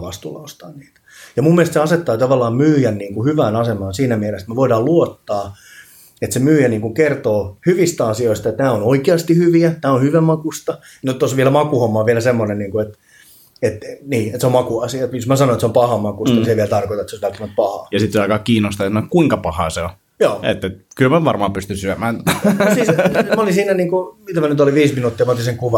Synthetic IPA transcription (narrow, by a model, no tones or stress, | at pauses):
ʋɑst̪ṵlːɑ̰ost̪ɑ̰ːnniːt̪æ̥jɑmumːielest̪seɑset̪ːɑːt̪ɑʋɑlːɑːmmyːjænniːŋkuhyʋæːnɑsemɑːnsiːnæmiɛlest̪meʋoidɑːluot̪ːɑː | et̪semyːjæniːŋkuŋkert̪oːhyʋist̪æɑsioist̪ɑet̪næːonoikeɑst̪ihyʋiænæːonhyʋæmɑkust̪ɑ | not̪t̪ːosʋiɛlæmɑkuhomːɑʋiɛlæsemːonenniːŋkuet̪ | et̪niːet̪seomɑkuɑsiɑt̪josmæsɑnoet̪seompɑhɑmɑkust̪ɑniseʋiælt̪ɑrkot̪ɑet̪soʋælt̪ːæmæt̪̚pɑhɑ̰ːjɑsit̪seɑikɑkiːnost̪ɑjɑsɑnoekkuiŋkɑpɑhɑːseo | joːḛt̪ːet̪kylmæʋɑrmɑːpyst̪ynsyæmæːnsimæolinsiːnːæniːŋkumit̪æmænyt̪oliʋiːsminuːt̪ːiɑmɑot̪iseŋkuʋɑ